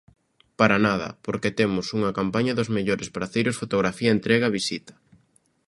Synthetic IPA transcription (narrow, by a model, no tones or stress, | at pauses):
paɾanaðɐ̰poɾket̪emʊsuŋɐkampaɲɐðʊzmeʎoɾespaɾaθejɾʊsfot̪oɣɾafiɐent̪ɾeɣaβisit̪ɐ̥